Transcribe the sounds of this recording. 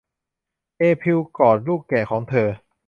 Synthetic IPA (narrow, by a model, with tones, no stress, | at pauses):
ʔeː˧pʰi˧wkɔː˨˩t̪̚luː˥˩kːɛː˨˩kʰɔː˩˦ŋt̪ʰɤː˧